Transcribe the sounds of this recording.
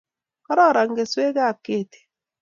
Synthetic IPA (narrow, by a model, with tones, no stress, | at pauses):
kɔ˦ɾɔ˦˨ɾa˨ŋ˦ɡe˨swe˦ɡa˦˨kːe˦˨te̥˨